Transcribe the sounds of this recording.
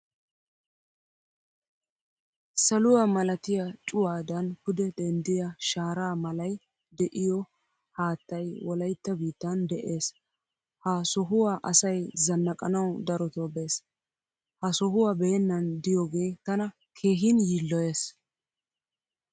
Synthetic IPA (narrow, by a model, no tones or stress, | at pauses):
sɐlʊwaːmɐlɐt̪ɪjɐt͡ʃʼʊwaːd̪ɐnhʊd̪ɛd̪ɛnd̪ɪjɐʃaːɾaːmɐlɐj | d̪ɛʔɪjɔ | haːt̪ːɐjwɔlɐjt̪ːɐbiːt̪ːɐnd̪ɛʔe̞ːs | hɐsɔɦʊwaːʔɐ̰sɐjzɐnːɐkʼɐnɐwd̪ɐɾɔt̪obe̞ːs | hɐsɔɦʊwaːbɛɛnːɐnd̪ɪjɔɡe̞ːt̪ɐnɐ | kʰe̞ːɦɪnjiːlːɔje̞ːs